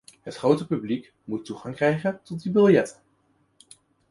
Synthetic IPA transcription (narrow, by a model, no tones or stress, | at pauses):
ɦətχrowtəpyblik | mutːuχɑŋkrɛjχəntɔt̚dibɪlˠjɛtə